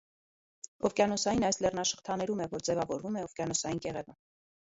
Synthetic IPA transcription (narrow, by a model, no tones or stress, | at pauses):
ɔfkjɑnɔsɑjinɑjslɛrnɑʃə̥χt̪ʰɑnɛɾumɛvɔɾd͡zɛvɑvɔɾvumɛɔvkʲjɑnɔsɑjinkɛʁɛvə